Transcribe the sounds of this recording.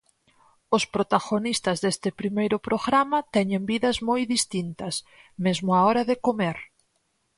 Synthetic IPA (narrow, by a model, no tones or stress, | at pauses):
ʊspɾot̪aɣonist̪ɐzðest̪ɪpɾimejɾʊpɾoɣɾamɐt̪ɛɲembiðɐzmojðist̪int̪ɐs | mezmʊaɔɾɐðɪkomeɾ